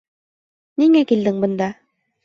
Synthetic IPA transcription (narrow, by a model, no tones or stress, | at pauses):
niŋækild̪ɘŋbɤ̆nd̪ɑ